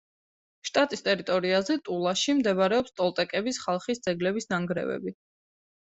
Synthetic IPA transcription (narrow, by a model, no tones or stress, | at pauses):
ʃt̪ʼat̪ʼist̪ʼɛɾit̪ʼɔɾiazɛt̪ʼulˠaʃimd̪ɛbaɾɛɔpst̪ʼɔlˠt̪ʼɛkʼɛbisχalˠχisd̪zɛɡlɛbisnaŋɡɾɛ̰vɛ̰bi